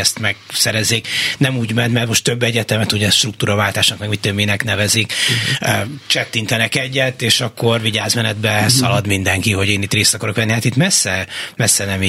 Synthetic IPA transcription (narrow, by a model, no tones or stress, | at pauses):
ɛst̪mɛɡsɛɾɛzːeːknɛmuːɟmɛnt̪mɛrt̪mo̞ʃt̪øbːɛɟɛt̪ɛmɛt̪uɟɛʃt̪ruk̚t̪uːɾɒvaːlt̪aːʃnɒkmɛɡmit̪øbmːinɛknɛvɛzikː | t͡ʃɛt̪ːint̪ɛnɛkɛɟːɛt̪ːeːʃɒkʰːo̞rviɟaːzmɛnɛd̪bɛsɒlɒd̪mind̪ɛŋkiho̞ɟeːnit̪reːst̪ɒkɒɾo̞kʋɛnːihaːt̪it̪mɛsːɛmɛsːɛnɛmi